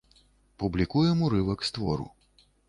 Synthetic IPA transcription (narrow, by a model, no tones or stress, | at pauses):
publʲikujɛmuɾɨvɐkst̪vɔ̰ɾṵ